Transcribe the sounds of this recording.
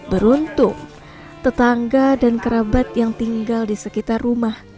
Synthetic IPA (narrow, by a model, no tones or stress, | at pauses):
bəɾunt̪ʊŋ | t̪ət̪aŋɡadankəɾabat̪̚jaŋt̪iŋɡaldisəkit̪arːumah